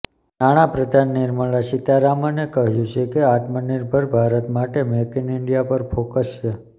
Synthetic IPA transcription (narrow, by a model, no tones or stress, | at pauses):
naɽ̃apɾəd̪ʱanːɪɾməɭaʃit̪aɾamənekəɦjũt͡ʃʰekeat̪mənɪɾbʱəɾbʱaɾət̪maʈemekinɪɳɖijapəɾfokəst͡ʃʰe